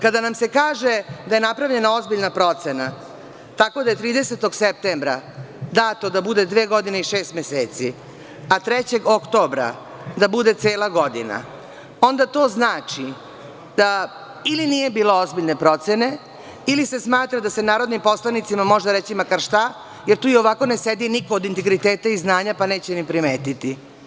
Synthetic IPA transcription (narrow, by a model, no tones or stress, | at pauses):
kad̪anamse̞kaːʒe̞d̪aje̞napɾavʎe̞nao̞zbiʎnapɾo̞t̪se̞na | t̪ako̞d̪aje̞t̪ɾiːd̪eset̪o̞ɡsep̚t̪embɾad̪at̪o̞d̪abud̪e̞d̪ʋeːɡo̞d̪ineiʃe̞ːst̪meseːt̪si | at̪ɾet͡ɕe̞ɡokt̪o̞bɾa̰ | d̪abud̪e̞t̪eːlˠaɡo̞d̪ḭna̰ | o̞nd̪at̪o̞ːznaːt͡ʃi | d̪a | iliniːje̞biːlo̞o̞zbiʎne̞pɾo̞t̪sene̞ | ilise̞smaːt̪ɾad̪ase̞naːɾo̞d̪nimpo̞slˠanit̪simamo̞ʒd̪aɾet͡ɕimakaɾʃt̪a | jeɾt̪uːio̞ʋako̞nesed̪iniko̞ːd̪int̪eɡɾit̪eːt̪aiznaːɲapaneːt͡ɕenimpɾimeːt̪it̪i